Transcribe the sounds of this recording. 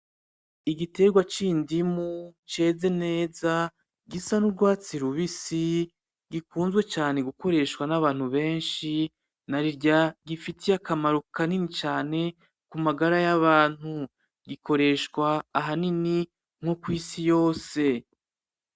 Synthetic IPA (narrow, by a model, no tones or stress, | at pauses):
iɡite̞ɡwat͡ʃindimut͡ʃe̞ːze̞ne̞ːza | ɡisanuɾɡwaːt͡siɾuβisi | ɡikuːnzɡwe̞t͡ʃaːne̞ɡuko̞ɾe̞ʃwanaβaːn̥huβe̞ːnʃi | naɾiɾɟaɡifitʰiakʰamaɾukaninit͡ʃaːne̞ | kumaɡaɾajaβaːn̥hu | ɡiko̞ɾe̞ʃkwaːɦanini | ŋ̥ho̞kwiːsijo̞ːse̞